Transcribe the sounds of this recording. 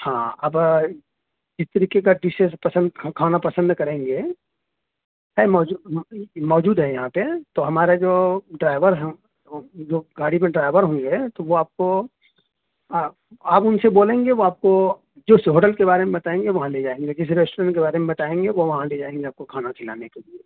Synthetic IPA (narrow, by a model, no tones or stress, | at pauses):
hãːɐb | d͡ʒɪst̪ɐɾiːkekaɖɪsespɐsə̃nd̪ʰkʰaːnapɐsə̃nd̪kɐɾẽːŋɡe | ɦɛmɔːd͡ʒumɔːd͡ʒuːd̪ɦɛjɐɦãpet̪oɦɐmaːɾed͡ʒoːɖɾaːɪʋəɾɦɛ | d͡ʒoːɡaːɽipẽɖɾaːɪʋəɾɦõːŋɡet̪oʋoaːp̚ko | aːpʊnseboːlẽːŋɡeʋoaːp̚ko | d͡ʒoːsɦoːʈəlkebaːɾemẽbɐt̪aːẽːŋɡeʋɐɦãleːd͡ʒaːẽːŋɡed͡ʒɪs̬ɾeːsʈoɾə̃ɳʈkebaːɾemẽbɐt̪aːẽːŋɡeʋoʋɐɦãleːd͡ʒaːẽːŋɡeaːp̚kokʰaːnakʰɪla̰ːnekelie